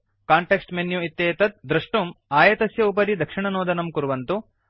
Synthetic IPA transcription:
kaːɳʈeːksʈmenjuit̪jeːt̪ɐt̪̚d̪ɾɐʂʈumaːjɐt̪ɐsjɐup̬ɐɾid̪ʱɐkʂiɳɐnoːd̪ɐnɐmkuɾuʋɐnt̪u

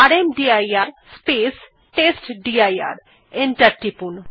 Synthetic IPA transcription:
aɾemɖiajaːɾspeːs | ʈeːsʈɖiaja̰ːɾ | ɪɳʈɐɾʈipun

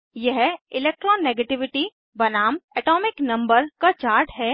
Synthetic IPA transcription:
jɛɦɪlek̚ʈɾɔ̃ːnːeɡeʈɪʋɪʈi | bɐnaːmɛːʈɔːmɪknɐ̃mbəɾkat͡ʃaːɾʈɦɛː

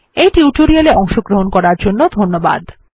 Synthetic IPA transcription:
ejʈiuʈoɾialeʔɔŋʃoɡɾoɦonkɔɾaɾd͡ʑonːod̪ʱonːoba̰d̪

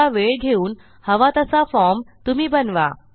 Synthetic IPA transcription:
aʋeɭɡʱeuːn | həʋat̪əsafɔɾmt̪um̤iːbənʋa̰

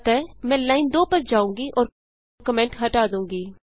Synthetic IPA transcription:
t̪ɛːmɛ̃ːlaːind̪oːpəɾd͡ʒaːũːŋɡiːʔɔːɾ | kəmɛ̃ːɳʈɦəʈaːd̪ũːŋɡiː

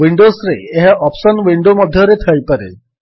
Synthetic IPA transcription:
ʋiɳɖosɾeeɦaʔɔpɕənʋiɳɖoməd̪ʱːjəɾet̪ʰəjpəɾḛ

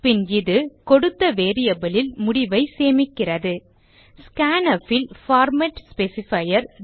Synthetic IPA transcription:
pɪnɪðɯkɔɽɯt̪ːɐʋeːɾɪjɐbɐlɪlmʊɽɪʋɐɪseːmɪkːɪrɐðɯ | skaːnɐfɪlfaːɾmɐʈspɛsɪfɐjɐɾ

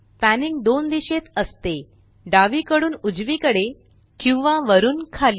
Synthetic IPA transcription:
pæniŋɡd̪ond̪iɕet̪əst̪e | ɖaʋiːkəɽuːnud͡zʋiːkəɽe | kĩw̃ʋãʋəɾuːnkʰali

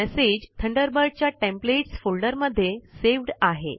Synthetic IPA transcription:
ɛsed͡ʑt̪ʰəɳɖəɾbəɾɖ̚t͡ɕjaʈẽmpleʈsfolɖəɾməd̪ʱːjeseʋɖaɦḛ

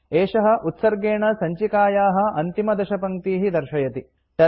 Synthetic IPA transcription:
eːʂɐɦɐ̆ʔut̪sɐɾɡeːɳɐsɐɲt͡ʃikaːjaːɦɐ̆ʔɐnt̪imɐd̪ɐʃɐpɐŋt̪iːɦid̪ɐɾʃɐjɐt̪i | t̪ɐ

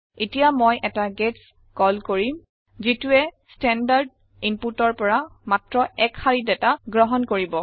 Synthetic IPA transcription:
etijamojʔɛtaɡets | kɔlkoɹim | zituɛstɛndaɹd | imputɔɹpɔɹamatɹɔɛkxaɹidɛtaɡɹɔɦɔnkoɹibɔ

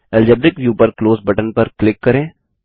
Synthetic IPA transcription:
ɛld͡ʒɛbɾɪkʋjuːpɐɾkloːsbɐʈənpɐɾklɪkːɐɾẽː

